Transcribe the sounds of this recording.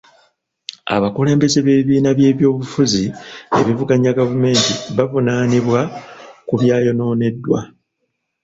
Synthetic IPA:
a̰βakule̞ːmbe̞ze̞βeβiβiːnaβje̞ːβjo̞ːβufuzie̞̰βivuɡaɲaɡavume̞ːntiβavunaniβwakuβjaːjo̞no̞ːne̞dːwa̰

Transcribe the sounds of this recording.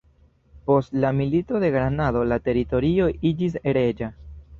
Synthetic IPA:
po̞stlamilito̞de̞ɡɾanado̞late̞ɾito̞ɾio̞ʔid͡ʒis̬e̞ɾe̞d͡ʒa

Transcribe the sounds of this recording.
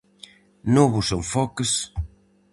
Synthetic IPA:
noβʊsoŋfɔkɪs

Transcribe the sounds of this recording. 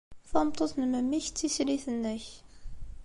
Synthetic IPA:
θɑmt̪ˤoθnəməmːiçt͡sːisɾiθənːəç

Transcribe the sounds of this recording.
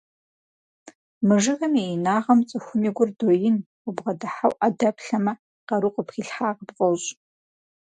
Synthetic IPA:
mɨʐɨɣɐmejnaːʁɐmt͡sʼɨxʷʊmiɡʷʊrdojɪn | ubʁɐdaħawʔadɐpʰɬɐmɐ | qɐɾuqʷʼəpʰχʲiɬħaːʁəbqʼowɕʼ

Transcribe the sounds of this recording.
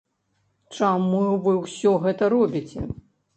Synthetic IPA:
t͡ʂamuvɨwsʲɔɣɛt̪ɐɾɔbʲit͡sʲɛ̰

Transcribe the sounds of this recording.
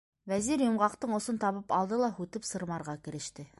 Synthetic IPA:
væziɾjŏmʁɑqt̪ɤɴŏsɤnt̪ɑβɤpɑlˠd̪ɤlˠɑhʉt̪ɘpsɤ̆ɾmɑɾʁɑkɘ̆ɾɘ̆ʃt̪ɘ

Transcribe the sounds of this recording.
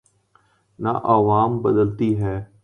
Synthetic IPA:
na̰ʔəʋaːmbəd̪əlt̪iːɦɛː

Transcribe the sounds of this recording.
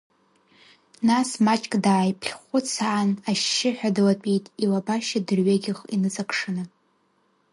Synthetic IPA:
nasmat͡ʃʼkʼdaːjpʰɬχʷʊt͡sʰaːnaʃːɪħʷᶣadɨlat͡pʷʼitʼilabaʃadɨrɥaɡʲɪχḭnɨt͡sʼakʰʂɨnɨ

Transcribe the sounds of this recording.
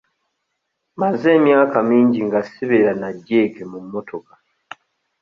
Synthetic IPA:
maze̞ːmjaːkamiːɲɟiŋɡasiβeɾanaɟːe̞ːke̞mumːo̞tʰo̞kḁ

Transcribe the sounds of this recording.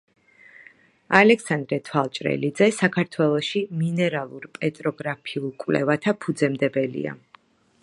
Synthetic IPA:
alɛksand̪ɾɛt̪ʰwalˠt͡ʃʼɾɛ̰lid̪zɛsakʰaɾt̪ʰwɛlˠɔʃiminɛɾalˠuɾpʼɛt̪ʼɾɔɡɾapʰiulˠkʼwlɛ̰vat̪ʰapʰud̪zɛmd̪ɛbɛlḭa̰

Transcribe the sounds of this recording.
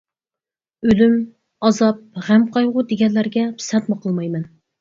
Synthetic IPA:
ølym | ɑzɑp̚ʁæmqʰɑjʁʊd̪eɡʲɛnlæɾɡʲɛpʰɪ̥sɛt̪məqʰəlˠmɑjmɛn

